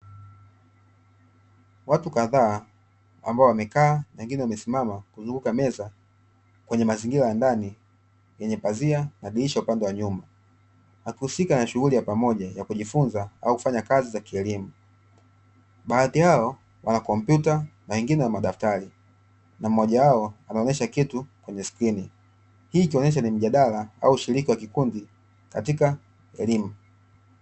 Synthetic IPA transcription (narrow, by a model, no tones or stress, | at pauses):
watukaðaː | a̰mbaɔwamɛkaːnawɛŋɡinɛwamɛsimamakuzuŋɡukamɛza | kwɛɲɛmaziŋɡilajandani | jɛɲɛpazianaɗiliʃaupandɛwaɲumba | wakihusikanaʃuɣulijapamɔʄajakuʄifunzaauku̥faɲakazizakiɛlimu | ɓaaθihaɔ | wʔanakɔm̩pjutanawɛŋɡinɛnamaɗaftaɾi | nam̩ɔʄawaɔanaɔnɛʃakitukwɛɲɛskɾini | hiːkiɔnɛʃ̬anim̩ʄaɗalaa̰uuʃiɾikiwakikundi | katika | ɛlimu